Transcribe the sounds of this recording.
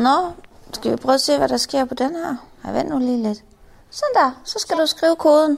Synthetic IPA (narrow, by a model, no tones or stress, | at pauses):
nɒsɡ̥æʋipʰʁœːʊɐse̝̰ːʋæɾ̥ɑ̈sɡ̥e̝ɐ̰pʰɒ̽d̥enhæɐ̰hɑʋen̰d̥nuliːled̥ | send̥æsɒ̽sɡ̥æd̥usɡ̥ʁiːʊəkʰo̝ːð̞ˠn̩